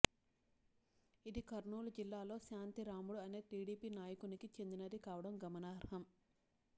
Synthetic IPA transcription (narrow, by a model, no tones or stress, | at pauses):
id̪ikɐɾɳuːlɐd͡ʒilːaːlo̞ːʃaːnt̪iɾaːmuɽuɐne̞ːʈiːɽiːpiːnaːjɐkunikit͡ʃe̞nd̪inɐd̪ikaːʋɐɽɐmɡɐmɐnaːɾɦɐm